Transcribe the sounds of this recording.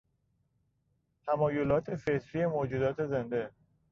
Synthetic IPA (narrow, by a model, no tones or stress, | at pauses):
t̪ʰæmɒːjolɒːt̪ʰe̞fe̞t̪ʰɾiːemoːd͡ʒuːd̪ɒːt̪ʰe̞ze̞nd̪e̞